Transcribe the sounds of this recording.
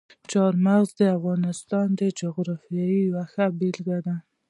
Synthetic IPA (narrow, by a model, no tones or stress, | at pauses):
t͡ʃɑɾmaɣzd̪əafɣɑnɪst̪ɑnd̪əd͡ʒʊɣɾɑfijɑjiwaxabilɡad̪a